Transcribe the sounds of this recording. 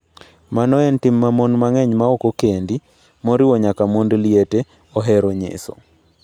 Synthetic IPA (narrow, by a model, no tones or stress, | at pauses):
manɔɛntimːamonmaŋɛɲmaokokendi | moɾɪwɔɲakamondliete | oɦɛɾoɲḛso̰